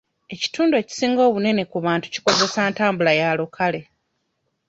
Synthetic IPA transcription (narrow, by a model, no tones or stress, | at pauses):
e̞ci̥tuːndueci̥siːŋɡo̞ːβune̞ne̞kuβaːntu̥ci̥ko̞ze̞saːntaːmbulajaːlokʰale̞